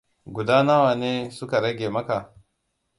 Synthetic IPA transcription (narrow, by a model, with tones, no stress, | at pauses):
ɡʷu˨daː˦na˦waː˨neː˦sʊ˦ka˨ɽɐ˦ɡʲeː˨mɐ˦ka˨